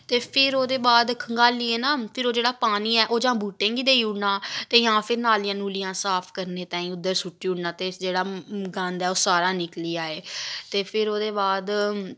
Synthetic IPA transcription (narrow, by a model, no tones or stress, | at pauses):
t̪eːpʰɪɾoːd̪eːbaːd̪kʰəŋɡaːliːeːnaːpʰɪɾoːd͡ʒeːɽaːpaːniːɛːʔoːd͡ʒãːbuːʈẽːŋɡiːd̪eːiuɽnãːt̪eːjãːpʰɪɾnaːlijãːnuːlɪjãːsaːpʰkəɾneːt̪ãːĩːʊd̪ːəɾsʊʈːiːuɽnãːt̪eːd͡ʒeːɽaːɡãːnd̪ɛːoːsaːɾaːnɪkliːaːeːt̪eːpʰɪɾoːd̪eːbaːd̪